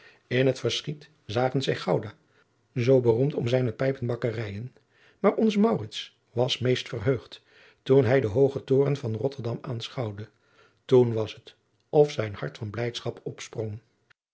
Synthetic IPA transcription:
ɪnɦətfərsχit | zaːχənzɛjχɑwdaː | zowbərumtɔmzɛjnəpɛjpənbɑkərɛjən | maːɹɔnzəmɑwrɪts | ʋɑsmejstfərɦøɥχt | tunɦɛjdəɦowχətʊːrənvɑnrɔtəɹdɑmaːnsχɑwdə | tunʋɑsət | ɔfsɛjnhɑ̰ɹtfɑnblɛjtsχɑpɔpsprɔŋ

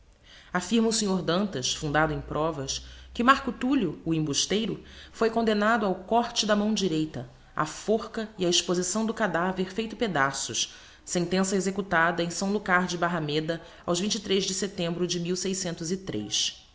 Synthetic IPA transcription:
afiɾmɐʊsĩɲoɾd̪ɐ̃nt̪ɐʃfũnd̪ad̪ʊẽj̃pɾʔɔvɐskɪmaɾkʊt̪ulʊːĩbuʃt̪ejɾʊfojkõnd̪enad̪ʊawkɔɾt͡ʃɪd̪ɐmɐ̃w̃d͡ʒiɾejt̪ɐ | a̰foχkɐiɐiʃpozisɐ̃w̃d̪ʊkad̪aveɾfejt̪ʊped̪asʊʃ | sẽnt̪ẽsɐezekut̪ad̪ɐẽj̃sɐ̃w̃d̪ʊkaɾd͡ʒɪbaɦɐmed̪ɐ | awʒvĩnt͡ʃit̪ɾejʒd͡ʒɪset̪ẽmbɾʊd͡ʒɪmiwsejsẽnt̪ʊzit̪ɾḛs

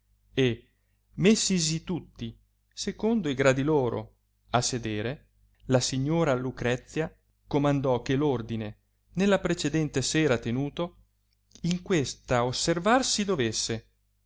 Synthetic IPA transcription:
e | mesːis̬it̪ut̪ːi | sekond̪oiɡɾad̪iloːɾo̰ | asːed̪eːɾe | lasiɲːoːɾalukɾɛt̪sːja | komand̪ɔk̟ːelord̪ine | nelːapɾet͡ʃed̪ɛnt̪esɛːɾat̪enuːt̪o | iŋkwest̪aoservarsid̪ovesːe

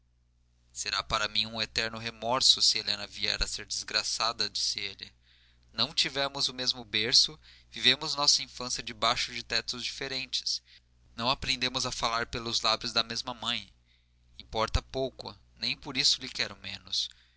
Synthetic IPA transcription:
seɾapaɾɐmĩɲ̃ũet̪ɛɾnʊɦemɔɾsʊsɪelẽnɐviɛ̰ɾɐseɾd͡ʒɪzɡɾasad̪ɐd͡ʒi̥sɪelɪ̰ | nɐ̃w̃t͡ʃivɛɾmʊzʊmezmʊbeɾsʊvivẽmʊznɔsɐĩfɐ̃siɐd͡ʒɪbajʃʊd͡ʒɪt̪ɛt̪ʊzd͡ʒifeɾẽnt͡ʃɪ̥s | nɐ̃w̃apɾẽnd̪ẽmʊzɐfalaɾpelʊzlabɾʊzd̪ɐmezmɐmɐ̃j̃ | ĩmpɔɾt̪ɐpowkʊ̰nẽj̃poɾisʊlɪkɛɾʊ̃mẽnʊs

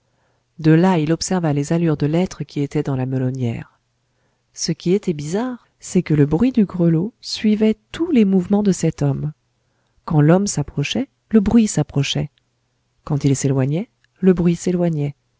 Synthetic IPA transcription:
d̪əlailɔpsɛʁvalezalyʁd̪əlɛt̪χəkʲiet̪ɛd̪ɑ̃laməlɔnjɛ̰ːʁ | səkʲiet̪ɛbizaʁ | sɛkələbʁɥid̪yɡʁəlosɥivɛt̪ulemuvmɑ̃d̪əsɛt̪ɔm | kɑ̃lɔmsapχɔʃɛ | ləbʁɥisapχɔʃɛ | kɑ̃t̪ilselwaɲɛ | ləbʁɥiselwaɲɛ

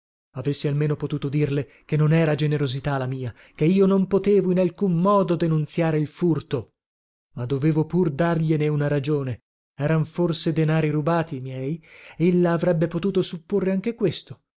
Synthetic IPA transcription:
avesːialmeːnopot̪uːt̪od̪irle | kenːonɛːɾad͡ʒeneɾozit̪alamiːa | keiːonompot̪eːvoinalkumːɔːd̪od̪enunt̪sjaːɾeilfurt̪o | mad̪ːoveːvopurd̪arʎeneunaɾad͡ʒoːne | ɛːɾaɱforsed̪enaːɾiɾubaːt̪imjɛːjelːaːvɾɛbːepot̪uːt̪osupːorːeaŋk̟ekwest̪o̥

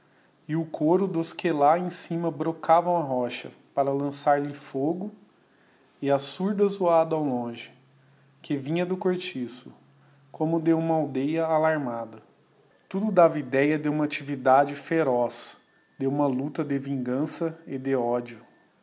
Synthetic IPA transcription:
ɪʊkʰoɾʊd̪oskelaẽsĩmɐbɾokʰavɐũɐɦɔʃɐ̰ | paɾɐlɐ̃saɾlɪfoɡʊ | ɪɐsuɾd̪ɐzuad̪ɐawlõʒɪ | kʰɪvĩɲɐd̪ʊkoɾt͡ʃisʊ | kʰõmʊd̪ewũmɐawd̪ejɐalaɾmad̪ɐ | t̪ud̪ʊd̪avɐid̪ɛjɐd̪ewũmɐat͡ʃivid̪ad͡ʒɪfeɾɔs | d̪ewũmɐlut̪ɐd̪ɪvĩŋɡɐ̃sɐɪd̪ɪɔd͡ʒiʊ

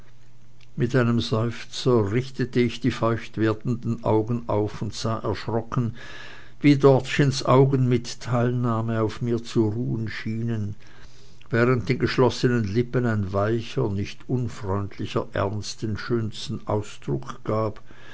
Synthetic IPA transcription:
mɪtʔaɪnəmzɔʏft͡sɐʁɪçtətəɪçd̥iːfɔʏçtv̥eːɐdn̩dn̩ʔa̰ʊɡən̩ʔa̰ʊfʊntz̥aːʔɛɐʃʁ̥ɔkn̩ | viːdɔɐtʃɪnsʔaʊɡənmɪtʰːaɪlnaːməaʊfmiːɐt͡suʁuːənʃiːnən | vɛːʁənt̚d̥eːnɡəʃlɔsənənlɪpənaɪnvaɪçɐnɪçtʔʊnfʁ̥ɔʏntʰlɪçɐʔɛ̰ɐnstənʃøːnstn̩ʔa̰ʊsd̥ʁʊkɡ̥aːp

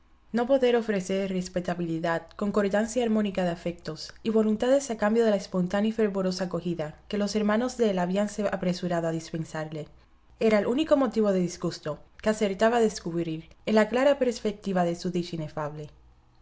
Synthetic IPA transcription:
no̞po̞ðe̞ɾo̞fɾe̞se̞ɾrespe̞t̪aβiliðaðko̞ŋko̞ɾt̪ansjaːɾmõ̞nikaðeafe̞k̚t̪o̞siβo̞lunt̪aðe̞sakambjo̞ðe̞laespo̞nt̪anjife̞ɾβoɾo̞sako̞xiðake̞lo̞se̞ɾmãno̞zðelaβianseapɾe̞suɾaðoaðispe̞nsaɾle | e̞ɾaelʔuniko̞mo̞t̪iβo̞ðeðizɣust̪o̞kease̞ɾt̪aβaðe̞skuβɾiɾenlaklaɾape̞ɾspe̞k̚t̪iβaðe̞suðiʃine̞faβle̞

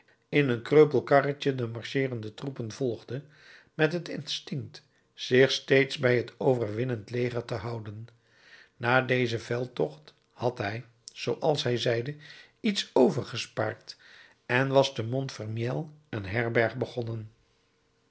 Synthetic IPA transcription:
ɪnənkrøɥpəl̩ˠkɑrət͡ʃədəmɑɹʃɪːrəndətrupənv̥ɔlˠχdə | mɛtɦətɪ̰nstɪŋkt | sɪχstejtsbɛjɦətʰowvəɹʋɪnəntlejχəɹtəɦɑwdən | naːdejzəvɛlˠtɔχt | hɑtɦɛj | z̥owʔɑlˠsɦɛjzɛjdə | itsowvəɹχəspa̰ːɹt | ɛnʋɑzdəmɔntfəɹmjɛlˠənɦɛɹbɛɹχbəχɔnən

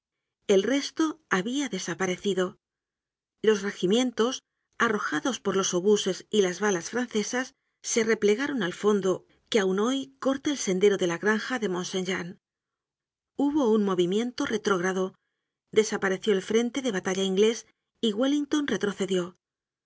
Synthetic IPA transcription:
e̞lre̞st̪o̞aβiaðe̞sapaɾe̞θiðo̞ | lo̞sre̞ximje̞nt̪o̞s | aro̞xaðo̞spo̞ɾlo̞so̞βuse̞silazβalasfɾanθe̞sasː | e̞re̞ple̞ɣaɾo̞nalfo̞nd̪o̞ | keawno̞jko̞ɾt̪eːlse̞nd̪e̞ɾo̞ðe̞laɣɾaŋxaðe̞mõ̞nse̞nʝan | uβo̞unmo̞β̞imjẽ̞nt̪o̞re̞t̪ɾo̞ɣɾaðo̞ | d̪e̞sapaɾe̞θjo̞elfɾe̞nt̪e̞ðe̞β̞at̪aʎaiŋɡle̞s | iɣweliŋt̪o̞nre̞t̪ɾo̞θe̞ðjo̞

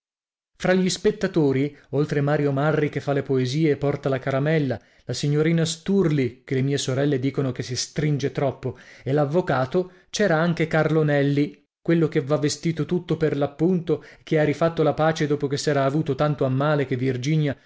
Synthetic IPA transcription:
fɾaʎːispet̪ːat̪oːɾiolt̪ɾemaːɾjomarːikefːalepoeziːepːɔrt̪alakaɾamɛlːa | lasiɲːoɾiːnast̪urlikelemiːesoɾɛlːed̪iːkonokesːist̪ɾind͡ʒet̪ɾɔpːoelavːokaːt̪o | t͡ʃɛːɾaaŋk̟ekarlonɛlːi | kwelːok̟evːavːest̪iːt̪ot̪ut̪ːoperlapːunt̪oek̟ːeaɾifat̪ːolapaːt͡ʃed̪oːpok̟esːɛːɾaːvuːt̪ot̪ant̪oamːaːlek̟evːird͡ʒiːɲja

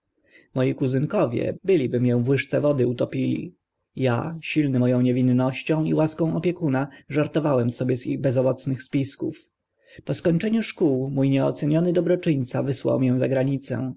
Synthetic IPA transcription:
mɔjikuzɘŋkɔvʲjɛ̰bɘlʲibɘmʲjɔ̃w̃vwɘʂt̪sɛvɔd̪ɘut̪ɔpʲilʲḭ | ja̰ɕilnɘmɔjɔ̃w̃ɲɛvʲinːɔɕt͡ɕɔ̃w̃ḭwaskɔ̃w̃ɔpʲjɛkunaʐaɾt̪ɔvawɛmsɔbʲjɛziɣbɛzɔvɔt̪snɘxspʲiskuf | pɔskɔɲt͡ʂɛɲuʂkuwmujɲɛɔt̪sɛɲɔnɘd̪ɔbɾɔt͡ʂɘɲt̪savɘswa̰wmʲjɛ̃zaɡɾaɲit̪sɛ̰̃

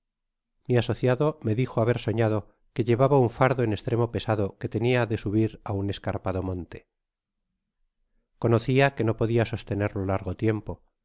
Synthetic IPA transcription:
miaso̞θjaðo̞me̞ðixoaβe̞ɾso̞ɲaðo̞ | ke̞ʎe̞βaβauɱfaɾðoene̞st̪ɾe̞mo̞pe̞saðo̞ke̞t̪e̞niaðe̞suβ̞iɾaune̞skaɾpaðo̞mõ̞nt̪e̞̥ | ko̞no̞θiake̞no̞po̞ðiaso̞st̪e̞ne̞ɾlolaɾɣo̞t̪je̞mpo̞

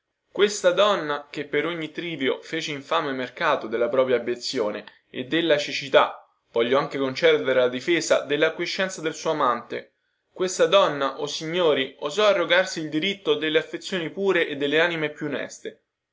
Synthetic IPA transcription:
kwest̪ad̪ɔnːak̟epːeɾoɲːit̪ɾiːvjofeːt͡ʃeiɱfamemerkaːt̪od̪elːapɾɔːpɾjaːbjet̪sːjoːne | ḛd̪ːelːat͡ʃit͡ʃit̪a | v̥ɔʎːoaŋkekont͡ʃɛd̪d̪eɾelad̪ifeːzad̪elːakwiʃːɛnt̪sad̪elsuːamant̪e | kwest̪ad̪ɔnːaʔosiɲːoːɾiozɔarːoɡarsiːld̪iɾit̪ːod̪elːeafːet̪sːjoːnipuːɾeʔed̪ːelːeaːnimepjunːɛ̰st̪e

